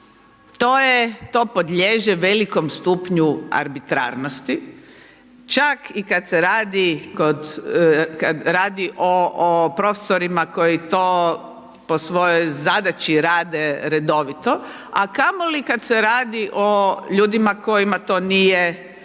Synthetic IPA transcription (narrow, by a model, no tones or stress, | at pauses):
t̪oːjet̪oːpo̞d̪ʎʲeːʒeʋeliko̞mst̪uːpɲua̰ɾbit̪ɾa̰ːɾnost̪i | t͡ʃakikad̪seɾaːd̪ikod̪ | kad̪ɾaːd̪iʔopɾo̞fe̥soɾimako̞jit̪oː | posʋo̞jojzad̪at͡ʃiɾaːd̪eɾe̞d̪o̞ʋit̪o̞ | a̰kamolikad̪seɾaːd̪iʔoʎuːd̪imako̞jimat̪o̞ːnije